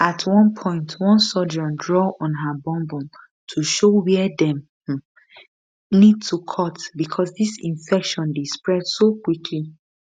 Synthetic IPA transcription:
atʰwɔ̃npʰɔ̃ɪ̃ntʰwɔ̃nsɔd͡ʒɔ̃ndɹɔɔ̃nɦəbɔ̃mbɔ̃n | tʰuʃowɛdɛ̃m̩ | nid̚tʰukʰɔtbikʰɔsðisĩnfɛkʃɔ̃ndespɹɛdsokwikʰli

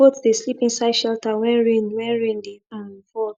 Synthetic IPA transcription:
otudeslipĩnsaɪdʃɛltawɛ̃nɹĩnwɛ̃nɹĩndeafɔ

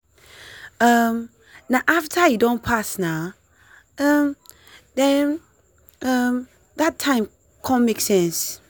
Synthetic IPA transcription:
ʌm | naʊʔaftʰəjɨdõnpʰasnaʊ | ʌm | ðɛ̃n | ʌm | ðatʰːãɪ̃m | kʰɔ̃nmeksɛ̃ns

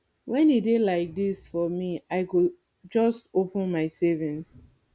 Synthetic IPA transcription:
wʔɛ̃nidelaɪk̚disfɔmiaɪɡu | d͡ʒɔstopə̃nmaɪsɛvĩns

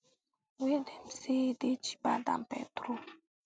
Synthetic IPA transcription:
wedem̩sedet͡ʃi̥bada̰mpɛ̰tɾo

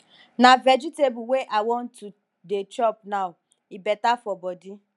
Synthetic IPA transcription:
navɛd͡ʒitebuweʔawɔ̃n̩tu | det͡ʃɔp̚naʊ | ibɛtafɔbɔdi

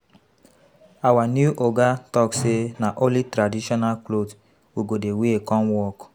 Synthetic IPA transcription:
awanjuʔoɡatɔksenaʔõlitɾadiʃɔnalklod | wiɡodeweekɔ̃nwɔk

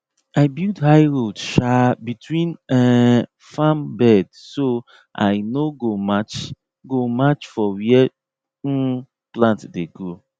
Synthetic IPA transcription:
aɪbildhaɪjɹodʃabitwĩnɛ̃ | fãmbɛdso | ʔa̰ɪnoɡomat͡ʃ | ɡomat͡ʃfɔwiɛ | plãntdeɡo

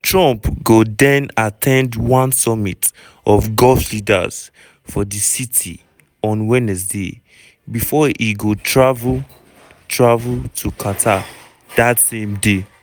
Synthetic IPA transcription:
tɹɔ̃mpɡodɛ̃natʰɛ̃ndwɔ̃nsɔmit | ɔfɡɔlflida̰z̥ | fɔdisitʰḭ | ɔ̃nwɛnɛs̬de | bifɔʔiɡotʰɹavl | tʰɹavultʰukʰatʰa | datsẽmde

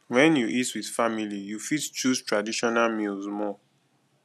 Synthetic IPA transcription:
wɛ̃njuʔitwið̥familijufitt͡ʃustɹadiʃɔnalmilzmɔ

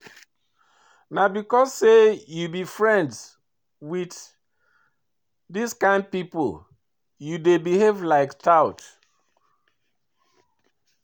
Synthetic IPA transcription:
nabikɔsːejubifɹɛ̃nds | wid | diskãɪ̃nd̚pipo̰l | judebiɦevlaɪktaʊt

